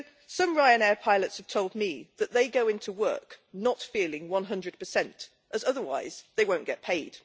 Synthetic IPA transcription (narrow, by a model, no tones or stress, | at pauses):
sʌ̃mɹaɪɨ̃nɛɹpʰaɪlˠətshəv̥tʰoʊlˠd̚miðɨʔ̪̚ðeɪɡoʊɪ̃ntʰuwɜ̰ˑ˞knətfilɪ̃ŋwʌ̃nɦʌ̃ndɹɨd̚pʰəsɛ̃nt | ʔəzʌðəwa̰ɪz̥ðeɪwə̃ʊ̃nɡ̥ɛʔ̚pʰeɪd̥